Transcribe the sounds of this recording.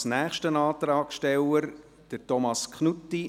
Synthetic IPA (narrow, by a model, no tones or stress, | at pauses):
snæːχʃtənɑːt̪ɾɑːkʃtɛləɾ | d̥əɾtɔmɑskʰχnutːi